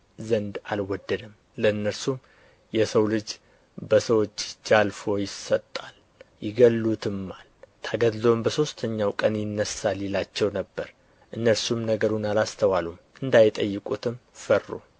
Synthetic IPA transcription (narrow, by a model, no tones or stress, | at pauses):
zənd̪alwɔd̪ːəd̪əm | ləɨnːəɾsum | jɛsəwlɨd͡ʒ | bəsəwot͡ʃːd͡ʒalfo̞jɪsːət̪ʼːal | jɪɡəlːut̪ʰɨmːalt̪ʰaɡəd̪lombəso̞st̪ʰəɲːawkʼənjɪnːəsalːilat͡ʃːɛwnəbːəɾ | ʔɨnːəɾsumnəɡəɾunalast̪ʰəwalumʔɨnd̪ajɪt̪ʼəjːɨkʼut̪ʰɨmfərːṵ